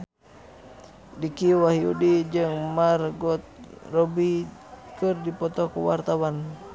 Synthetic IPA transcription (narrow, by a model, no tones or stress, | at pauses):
dikiwaɦiṵdid͡ʒɨŋmarɡɔt̪̚rɔbikɨrdipɔt̪ɔkuwa̰rt̪awan